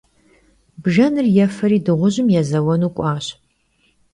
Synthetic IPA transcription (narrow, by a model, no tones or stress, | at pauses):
bʒɐnɨrjɛfɐɾiːdɨʁʷʊʑɪmjɛzɐwɔnuːkʷʼɑːɕ